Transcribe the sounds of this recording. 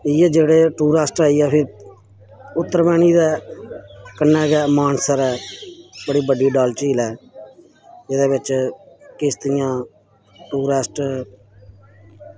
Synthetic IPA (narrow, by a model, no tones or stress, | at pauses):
ɪːeːd͡ʒeːɽeːʈuːɾaːsʈɛːiːɛpʰɪ̃ː | ʊt̪ːəɾmɛːniːd̪ɛː | kənːɛːɡɛːmaːnsəɾɛːbəɽiːbəɖiːɖaːlt͡ʃiːlɛː | ɪd̪eːbɪt͡ʃ | kɪst̪ɪjãː | ʈuːɾaːsʈ